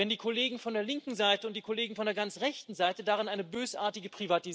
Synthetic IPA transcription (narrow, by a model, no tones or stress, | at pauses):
ɛndiːkʰoleːɡŋ̩fɔndeːɐlɪŋkŋ̩zaɪtəʊntd̥iːkʰoleːɡŋ̩fɔndeːɐɡant͡sʁɛçtn̩zaɪtədaːʁɪnʔaɪnəbøːsʔa̰ːɐtɪɡəpʁ̥ivati